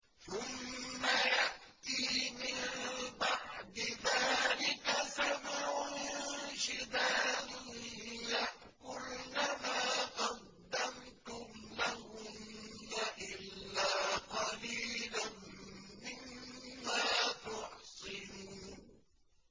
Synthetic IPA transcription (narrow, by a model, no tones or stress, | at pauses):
θʊmːajaʔ | t̪iːmɪmbaʕd̪ɪðaːlɪkasamaʕʊ | ʃɪd̪aːd̪ʊjaʔ | kʊlnamaːqɑq̪̚ː | amt̪ʊmlahʊmːaʔɪlːaːqɑliːlanmɪmːaːt̪ʊʕsˤɨnuː